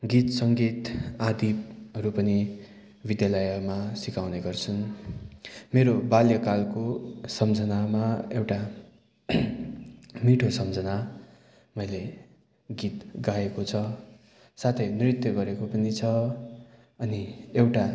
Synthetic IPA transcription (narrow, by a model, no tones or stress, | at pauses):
ɡit̪sʌŋɡit̪ad̪ipɦʌɾupʌni | bid̪jalʌjʌmasikawneɡʌrt͡sʰũ | meɾobaljʌkalkosʌmd͡zʱʌnamaewʈa | miʈʰosʌmd͡zʱʌna | mʌjle | ɡit̪ɡaekot͡sʰʌ | sat̪ʰʌjnrit̪jʌɡʌɾekopʌnit͡sʰʌ | ʌniewʈa